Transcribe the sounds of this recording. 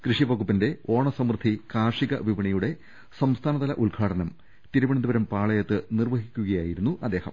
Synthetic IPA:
krɨʂiʋɐɡupːinde̞o̞ːɳɐsɐmrd̪ʱikaːrʂiɣɐ̰ʋiʋɐɳɐjuɽe̞ | sɐmst̪ʰaːnɐðɐlɐ̰ʔulɡʰʱaːʈɐnɐm | t̪iɾuʋɐɳɐnd̪ubɐɾɐmpaːɭɐjɐt̪ːɨnirʋɐɦikʲːuɣɐjaːjiɾunːuʔɐd̪ːe̞ːhɐ̰m

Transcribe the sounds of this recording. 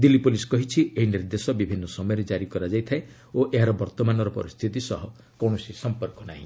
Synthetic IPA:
d̪ilːipoliskɔɦit͡ʃʰieɦiniɾd̪esɔbibʱinːɔsɔmɔjɔɾed͡ʒaɾikɔɾad͡ʒajt̪ʰae | oʔeɦaɾɔbɔɾt̪ɔmanɔɾɔpɔ̰ɾist̪ʰit̪isɔɦɔ | kɔɽ̃ɔsisɔmpɔɾkɔnaɦĩ

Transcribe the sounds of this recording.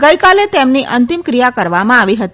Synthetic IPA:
ɡəjkalet̪emniʔənt̪imkɾijakəɾʋamãaʋiɦət̪i

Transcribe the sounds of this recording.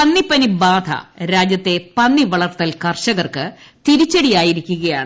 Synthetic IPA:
pɐnːipːɐnibaːd̪ʰʱɐ̰ɾaːd͡ʑjɐt̪ːe̞pɐnːiʋɐɭɐrt̪ːɐlkɐrɕɐɣɐrkɨt̪iɾit͡ɕːɐɽijaːjiɾikʲːuɣɐjaːɳɨ

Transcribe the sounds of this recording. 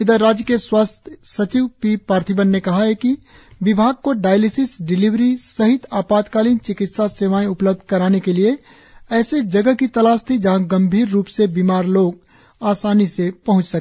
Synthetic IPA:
ɪd̪əɾaːd͡ʒjəkeswaːst̪ʰsət͡ʃiʋpipaːɾt̪ʰibənːekɐɦaɦɛki | ʋɪbʱaːɡ̚koɖaːjlɪsɪsɖɪliʋɾisəɦɪt̪aːpaːt̪kaːliːnt͡ʃɪkɪt̪saseʋaːẽʊpləb̚d̪ʱkɐɾaːnekelie | ɛːsed͡ʒəɡəkit̪ɐlaːst̪ʰid͡ʒɐɦãɡɐ̃mbʱiːɾːuːpsebiːmaːɾloːɡ | aːsaːnisepɐɦʊ̃t͡ʃsəkː

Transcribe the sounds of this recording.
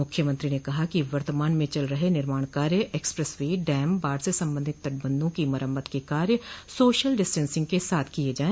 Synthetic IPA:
ʊkʰːjəmə̃nt̪ɾiːneːkɐɦaːkiʋəɾt̪əmaːnmẽːt͡ʃəlɾəɦeːnɪɾmaːɳkaːɾjɛːkspɾəsʋiːɖɛːmbaːɾsesə̃mbə̃nd̪ʱɪt̪ːəʈ̚bənd̪õːkiməɾəmːət̪kekaːɾjəsoːʃəlɖɪsʈənsɪ̃ŋɡ̚kesaːt̪ʰkieːd͡ʒaːẽ

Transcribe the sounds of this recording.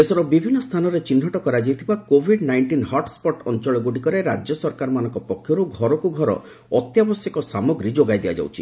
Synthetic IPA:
esɔɾɔbibʱinːɔst̪ʰanɔɾet͡ʃin̤ːɔʈɔkɔɾad͡ʒiet̪ʰibakobʱiɖnajɳʈinhɔɾʈspɔʈɔ̰nt͡ʃɔɭɔɡuʈikɔɾeɾad͡ʒjɔsɔɾkaɾɔmanɔ̃ŋkɔpɔkʰːjɔɾuɡʱɔɾɔkuɡʱɔɾɔ̰ | ɔt̪jabɔsjɔkɔsamɔɡɾid͡ʒoɡajd̪iad͡ʒa̰wt͡ʃʰi̥

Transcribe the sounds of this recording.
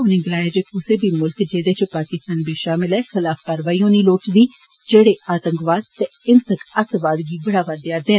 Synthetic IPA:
ʊnẽːɡəlaːjeːd͡ʒeːkʊseːbiːmʊlkd͡ʒeːd̪eːt͡ʃəpaːkɪst̪aːnbiːʃaːmɪlɛːxɪlaːfkaːɾʋaːiːõːniːloːt͡ʃd̪iː | d͡ʒeːɽeːʔaːt̪əŋkʋaːd̪̚t̪eɪnsəkət̪ʋaːd̪ɡiːbəɽaːʋad̪jaːd̪eːn

